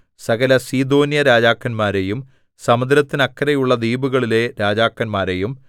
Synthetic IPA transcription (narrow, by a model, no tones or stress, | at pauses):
sɐɣɐlɐsiːd̪o̞ːnjɐɾaːd͡ʑaːkːɐnmaːɾejum | sɐmɐd̪ɾɐt̪ːinɐkːɐɾɐjuɭːɐd̪iːbuɣɐɭile̞ɾaːd͡ʑaːkːɐnmaːɾejum